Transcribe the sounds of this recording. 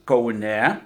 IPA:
kɐʊˈnʲɛ

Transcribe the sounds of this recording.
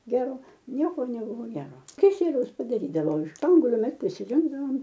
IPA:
ˈɡʲæːroː ˈnʲiɛkoː nʲɛˈbʊʋoː ˈɡʲæːroː kʲɪˈsʲiɛlʲɛʊs pɐdɐˈrʲiːdɐʋoː ɪʃ ˈspɐŋɡuɔlʲʊ ˈmʲɛs pʲrʲɪsʲɪˈrʲɪŋɡdɐʋoːm

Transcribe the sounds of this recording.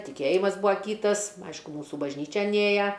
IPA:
tʲɪˈkʲeːjɪmɐs ˈbʊɐ ˈkʲiːtɐs ˈɐɪʃkʊ ˈmuːsuː bɐʒʲˈnʲiːt͡ʃʲɛn ˈeːjɛ

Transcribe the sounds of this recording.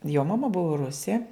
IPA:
joː mɐˈmɐ ˈbʊʋoː ˈrʊsʲeː

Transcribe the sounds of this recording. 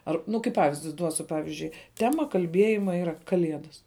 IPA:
ˈɐr ˈnʊ kɐɪ ˈpɑːʋʲɪzʲdʲɪ ˈduɔsʲʊ ˈpɑːʋʲɪzʲd͡ʒʲʊɪ ˈtʲæːmɐ kɐlʲˈbʲiɛjɪmɐ ˈiːrɐ kɐˈlʲiɛdɐs

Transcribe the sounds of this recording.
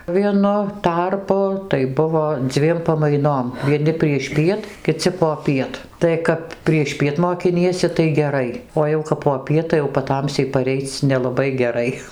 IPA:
ʋʲiɛˈnʊ ˈtɐrpʊ tɐɪ ˈbʊʋoː ˈd͡zʲʋʲiɛm pɐmɐɪˈnoːm ʋʲiɛˈnʲɪ pʲrʲiɛʃʲˈpʲiɛt kʲɪˈt͡sʲɪ poːˈpʲiɛt tɐɪ ˈkɐp pʲrʲiɛʃʲˈpʲiɛt moːkʲɪˈnʲiɛsʲɪ tɐɪ ɡʲɛˈrɐɪ oː jɛʊ kɐp poːˈpʲiɛt tɐɪ jɛʊ pɐˈtɐmʲsʲɛɪ pɐˈrʲɛɪt͡s nʲɛlˠɐˈbɐɪ ɡʲɛˈrɐɪ

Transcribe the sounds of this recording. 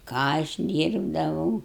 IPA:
ˈkɑː ɐʃ ˈdʲiːrbdɐʋɐʊ

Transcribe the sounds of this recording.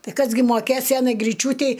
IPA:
ˈtɐɪ ˈkɐs ɡʲɪ moːˈkʲeːs ˈsʲæːnɐɪ ɡrʲɪˈt͡ʃʲuːtʲɛɪ

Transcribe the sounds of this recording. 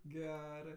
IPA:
ˈɡʲæːrɜ

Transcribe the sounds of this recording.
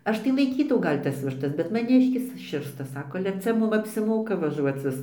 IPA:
ˈɐʃ tɐɪ lˠɐɪˈkʲiːtɐʊ ˈɡɐlʲ tɐs ʋʲɪʃˈtɐs bʲɛt mɐˈnʲɪʃʲkʲɪs ˈʃʲɪrstɐ ˈsɑːkoː ɐlʲɛ ˈt͡sʲɛ ˈmʊm ɐpʲsʲɪˈmoːkɐ ʋɐˈʒuɔt͡s ʋʲɪs

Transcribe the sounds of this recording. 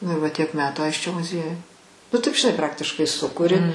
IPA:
nʊ ɪ ʋɐ tʲiɛk ˈmʲæːtuː ˈɐɪsʲt͡ʃʲoː mʊˈzʲiɛjʊj nʊ ˈtɐɪp ʒʲɪˈnɐɪ ˈprɑːktʲɪʃkɐɪ ˈsʊkʊrʲɪ

